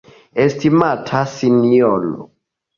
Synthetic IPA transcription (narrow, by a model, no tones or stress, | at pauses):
estimatʰasiniɔlɔ̰